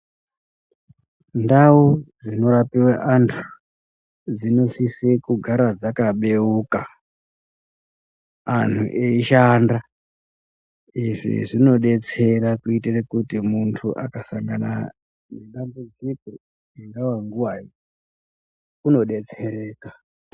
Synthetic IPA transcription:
ndaud͡zino̞ɾapiwaʔantʰu̥ | d͡zino̞sisekuɡʱaɾad͡zakaɓe̞uːka | an̤uʔeiʃanda | iʐḭʐino̞ɗe̞t͡se̞ɾakuiterekutimuntʰuʔa̰kasaŋɡana̰ | neɗambud͡ziko̞ | iŋɡawaŋɡuwajo | uno̞ɗe̞t͡se̞ɾe̞ːka

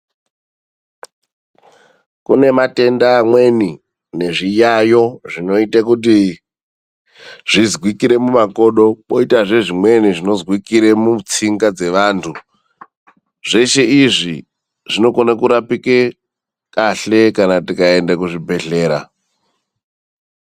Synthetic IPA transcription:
kune̞mate̞ndaːmwe̞ni | ne̞ʐijajo̞ʐino̞itakut̬i | ʐ̥izɣwikiɾe̞mumako̞ɗo̞koitaʐe̞ʐimwe̞niʐino̞zwikiɾe̞mut͡siŋɡad͡ze̞ʋaːntʰu | ʐ̥e̞ʃe̞iʐi | ʐino̞konakuɾapike | kaɬe̞kanatikae̞ndek̬uʐibʱe̞ɬe̞ːɾa̰

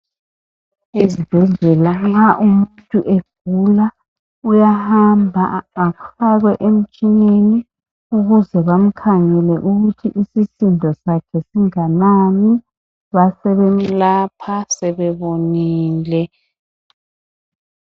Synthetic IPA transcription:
ezib̥ʱɛɮɛlaŋ͡ǁaʔumuntʼuʔeɡ̥̚ʱula | ujahambʱa̰ːkfaɣwɛʔem̩t͡ʃʼineni | uɣuzɛβam̩kʰaŋɛlɛʔuɣutʰiʔisisindʱɔsakʰɛsiŋanami | βasɛβem̩lapʰasɛβɛβoniːlɛ

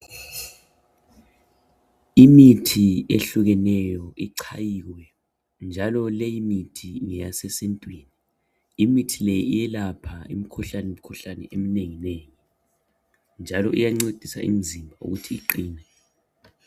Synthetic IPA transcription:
imitʰieɬuɣɛnɛjɔʔiǀʰajiwɛ | nd͡ʒʱalɔlejimitʰiŋɛjasɛsentʼwiːni | imitʰilejiijɛlapʰaḭmikʰuɬanɛwum̩kʰuɬanɛ̰ʔemineŋineːŋi | nd͡ʒʱalɔʔijaŋ͡ǀed̥ʱisa̰ʔḭm̩zʱimbʱaṵɣutʰiːǃiːnɛ

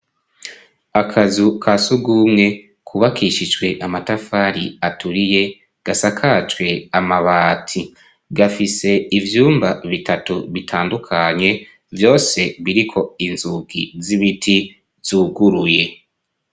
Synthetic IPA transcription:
akʰazukʰasuɡumŋe̞ | kʰuβakiʃid͡ʒɡwe̞ʔamatafaɾiatuɾije̞ | ɡ̥asakʰat͡ʃwe̞amaβaːtʰi | ɡafise̞ivjuːmbaβitʰatuβitʰaːndukʰaɲe̞ | vjo̞ːse̞βiɾikʰo̞inzuɡ̥ḭziβitʰi | z̥uːɡuɾuje̞

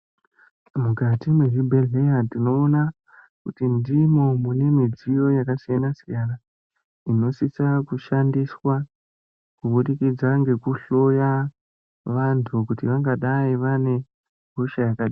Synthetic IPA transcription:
mukatimweɦibʱelejatino̞ːna | kutindimo̞mune̞mid͡zijo̞jakasijanasijana | ino̞sisakuʃandiswa | kuɓuɗikid͡zaŋɡe̞kuɬo̞ja | ʋantʰukutiʋaŋɡaɗaiʋane̞ | ɡʱuʃajakaɗi

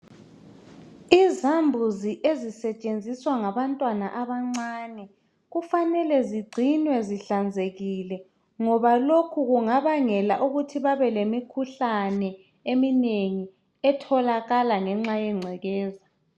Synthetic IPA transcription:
izambʱuziʔezisɛt͡ʃʼend͡zʱiswaŋaβantʼwanaʔaβaŋ͡ǀaːnɛ | ɣufanɛlɛziɡ͡ǀʱinwɛziɬand͡zʱeɣilɛ | ŋɔβalokʰuɣuŋaβaŋɛlaʔuɣutʰiβaβɛlemikʰuɬanɛ | emineŋi | ɛtʰɔlaɣalaŋɛŋ͡ǁajɛŋ͡ǀʱɛɣɛːza

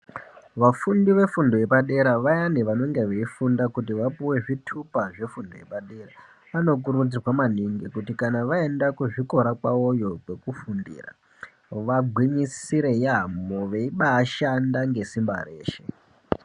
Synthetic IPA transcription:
ʋafundiʋe̞fundo̞je̞paɗe̞ɾaʋajaniʋano̞ŋɡeʋeifundakut̬iʋapuwe̞ʐitʰupaʐe̞fundo̰je̞̰paɗera | ano̞k̬uɾud͡zirwamaniŋɡikutikanaʋae̞ndakuʐiko̞ɾakwaojo̞ke̞kufundḭːra̰ | ʋaɡʱwiɲisiɾe̞jamoʋeiɓaːʃandaŋɡe̞simba̰re̞̰ːʃe̞

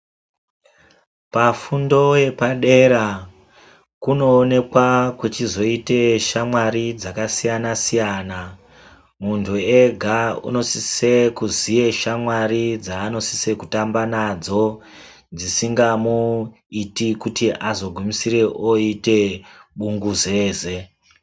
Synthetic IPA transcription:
pafundo̞je̞paɗe̞ɾa | kuno̞ːne̞kwakwet͡ʃizo̞ite̞ʃamwaɾid͡zakasijanasijaːna | muntʰue̞ɡʱaṵno̞sisekuzije̞ʃamwaɾid͡zaːno̞si̥se̞kutambanad͡zo̞ | d͡zisiŋɡamu | itikutiʔazo̞ɡʱumisiɾe̞ʔoite̞ɓuŋɡuze̞ːze̞

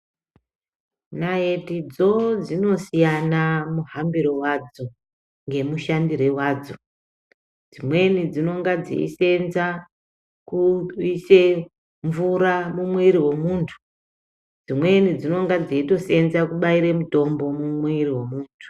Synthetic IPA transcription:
naje̞tid͡zo̞d͡zino̞sijanamuɦambiɾowad͡zo | ŋɡe̞muʃandiɾewaːd͡zo | d͡zimwe̞nid͡zino̞ŋɡad͡zḭḭse̞nza | kuise | ɱvuɾamumweɾiwe̞muːntʰu̥ | d͡zimwe̞nid͡zino̞ŋɡad͡ziito̞se̞nzakuɓaiɾemuto̞mbo̞mumweiriwe̞muːntʰu̥

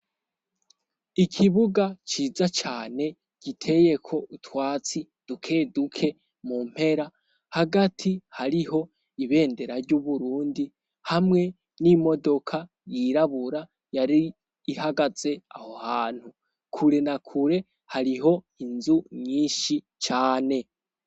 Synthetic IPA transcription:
ikʰiβuɡat͡ʃiːzat͡ʃaːne̞ | ɡ̥itʰe̞je̞kʰo̞ʔutwaːt͡si | d̥ukʰe̞ːdukʰe̞ | mum̥he̞ɾa | haɡatʰihaɾiɦo̞ | iβe̞ːnde̞ɾaɾɟuβuɾuːndi | hamŋe̞ | nimo̞do̞kʰa | jiɾaβuɾa | jaɾi | ihaɡaz̥e̞aho̞haːn̥hu | kʰuɾe̞nakʰuɾe̞ | haɾiɦo̞ | inzuɲiːnʃi | t͡ʃaːne̞

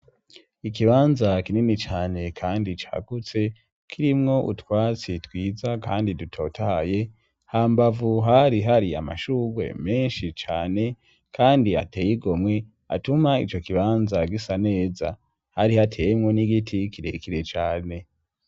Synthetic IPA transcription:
ikiβaːnzakininit͡ʃaːne̞kʰaːndit͡ʃa̰ːɡ̥ut͡se̞ | kʰiɾimŋo̞ʔutwaːt͡sitwiːzakaːndidutʰo̞ːtʰaje | haːmbavuɦaɾiɦaɾia̰ma̰ʃuːwe̞̰meːnʃit͡ʃaːne̞ | kʰaːndia̰teːjiɡo̞mŋe | a̰tumaḭt͡ʃo̞kiβaːnzaɡisane̞ːza̰ | haɾihatʰeːjemŋo̞niɡitʰikiɾe̞̰kiɾe̞t͡ʃaːne̞

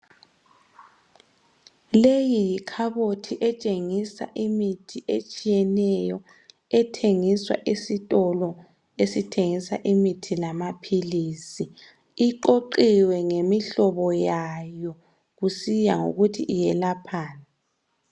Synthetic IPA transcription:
lejijikʰaβotʰiʔɛt͡ʃʼeŋisa̰ʔimitʰiʔet͡ʃʼijɛnɛjɔ | ɛtʰeŋiswa̰ʔisitʼɔlɔ | esitʰeŋisa̰ʔimitʰilamapʰiliːsi | iǃoǃiwɛŋemiɬɔβɔjajɔ | ɣusijaŋo̰ɣutʰḭʔijɛlapʰaːna

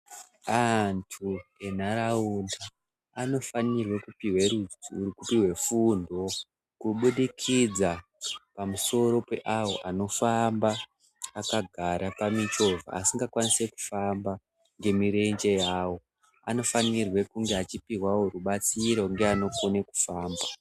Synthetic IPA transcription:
antʰue̞naɾaundaː | no̞fanirwe̞kupiɦwe̞ɾud͡zrkupiɦwe̞fundo̞ | kuɓuɗikʰid͡za | pamuso̞ɾo̞pe̞ʔawo̞̰ʔano̞fambaː | kaɡʱaɾapamit͡ʃo̞va̰asiŋɡakwanise̞ku̥famba | ŋɡe̞miɾe̞nd͡ʒe̞jaːwo̞ | a̰no̞fanirwe̞kuŋɡeat͡ʃipiɦwawoɾuɓat͡siɾo̞ŋɡeano̞koneku̥faːmba

